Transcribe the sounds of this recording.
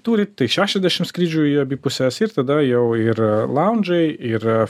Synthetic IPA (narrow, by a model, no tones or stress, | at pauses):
t̪uːɾʲɪt̪ɐɪʃʲæːʃʲɛzʲd̪ʲæʃʲɪmskɾʲiːd͡ʒʲuːɐbʲipʊsʲɛsɪɾt̪ɐd̪ɐjɛʊɪɾlˠɐʊnʲd͡ʒɛɪɪɾ